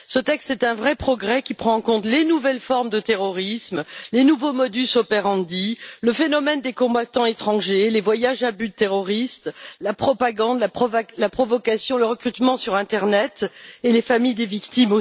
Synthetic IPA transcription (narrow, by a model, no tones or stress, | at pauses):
sət̪ɛkst̪ɛt̪ɛ̃vʁɛpχɔɡʁɛkʲipχɑ̃ɑ̃kɔ̃t̪lenuvɛlfɔʁmd̪ət̪eʁɔʁismlenuvomɔd̪ysɔpeʁɑ̃d̪iləfenɔmɛnd̪ekɔ̃bat̪ɑ̃et̪χɑ̃ʒelevwajaʒabyd̪ət̪eʁɔʁist̪lapχɔpaɡɑ̃d̪laɔvlapχɔvɔkasjɔ̃ləʁəkχyt̪mɑ̃syʁɛ̃t̪ɛʁnɛt̪elefamijd̪evikt̪imo